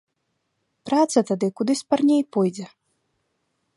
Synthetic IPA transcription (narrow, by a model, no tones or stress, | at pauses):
pɾat̪sɐt̪ad̪ɨkud̪ɨsʲparnʲejpɔjd͡zʲɛ